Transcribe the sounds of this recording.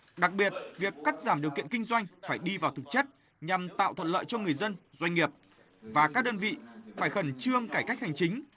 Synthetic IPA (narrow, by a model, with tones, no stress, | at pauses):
ɗa˨˩k̚ɓi˨˩ət̚vi˨˩əkːa˦˥k̚zaː˧˩mɗi˨˩wkḭ˧˨ənkï˧ŋ̟zwa˧jŋ̟faː˧˩jɗi˧vaː˨˩wt̪ʰɨ˨˩k̚t͡ɕe˦˥t̚ | ɲa˨˩mt̪a̰ː˧˨wt̪ʰə˧˨n̚lə̰ː˧˨jt͡ɕɔ˧ŋɨ˨˩əjzə˧nzwa˧jŋ̟ŋi˨˩əp̚ | vaː˨˩kaː˦˥k̚ɗəː˧nvḭ˧˨faː˧˩jxə˧˩nt͡ɕɨ˧əŋkaː˧˩jka˦˥k̟̚ha˨˩ŋ̟t͡ɕï˨˦ŋ̟